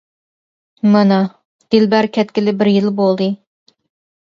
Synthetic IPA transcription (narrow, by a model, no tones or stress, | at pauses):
mɨnɑ | d̪̥ɪlbæɾkʲʰɛt̪̚kʲɪlɪbɪɾjɪlˠbolˠd̪ɨ